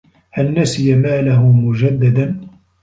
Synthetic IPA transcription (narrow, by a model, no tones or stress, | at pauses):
halnasɪjamaːlahʊmʊd͡ʒad̪ːad̪an